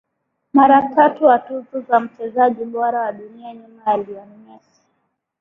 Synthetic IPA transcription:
maɾatatuwatuzɔzam̩t͡ʃɛzaʄiɓɔɾawaɗunianimaaliɔn | ɛsi̥

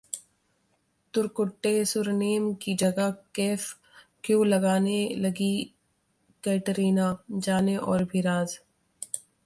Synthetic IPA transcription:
t̪ʊɾkʊʈːesʊɾneːmkid͡ʒɐɡakeːf | kjõːlɐɡaːnelɐɡi | kɛːʈɾiːnaːd͡ʒaːneʔɔːɾbʱiɾaːz

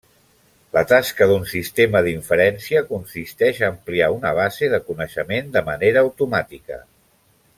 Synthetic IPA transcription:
lət̪askəðunsist̪eməðiɱfəɾɛnsiəkunsist̪ɛʃəːmpliaunəβ̞azeðəkunəʃəmend̪əməneɾəːwt̪umat̪ikə̰

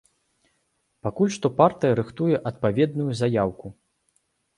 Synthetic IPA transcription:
pakulʲʂt̪ɔpart̪ɨjɐɾɨxt̪ujɛʔɐt̪̚pavʲɛd̪̚nujuzajawku

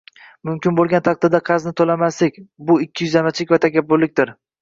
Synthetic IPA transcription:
mʊmkʲɪnbolˠɡʲant̪ʰɑq̚t̪ad̪aqʰɑznɪt̪ʰolamaslɪkʲbʊɪkʲːɪjʊzamat͡ʃʰɪkʲvat̪ʰakʲʰabːʊɾlːɪk̚ʲt̪ɪɾ

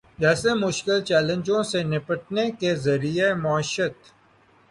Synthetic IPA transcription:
d͡ʒɛːsemʊʃkɪlt͡ʃɛːlə̃nd͡ʒõsenɪpəʈ̚nekezɐɾiemʊəʃət̪

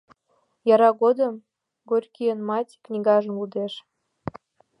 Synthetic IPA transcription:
jɑɾɑɣod̪əm | ɡorʲkijənmɑtʲknʲiɣɑʒə̆mud̪eʃ

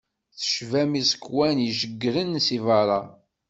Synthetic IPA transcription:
θə̥ʃvæmisə̥kːwænjiʒəɡːɾənsivɑɾˤɑ

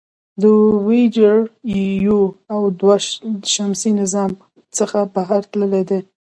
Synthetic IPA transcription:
d̪əwed͡ʒəɾjijuawd̪waəʃamsinɪzɑm | t͡səxabaɦaɾt̪ləled̪e

